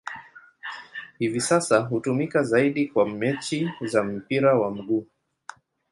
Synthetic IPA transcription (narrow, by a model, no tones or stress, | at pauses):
hivisasaɦutumikazaiɗikwamɛt͡ʃizam̩piɾawam̩ɠuː